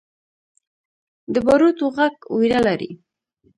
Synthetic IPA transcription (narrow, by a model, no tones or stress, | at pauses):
d̪əbaɾut̪oɣaɡujɾalaɾḭ